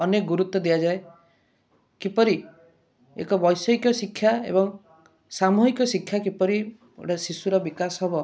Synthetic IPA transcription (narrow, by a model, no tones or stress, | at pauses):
ɔnek̚ɡuɾut̪ːwɔd̪ijad͡ʒae | kipɔɾi | ḛkɔbɔjsɔjkjɔsikʰːjaḛbɔŋ | samuɦikɔsikʰːjakipɔɾi | ḛʈasisuɾɔbikasɦɔbɔ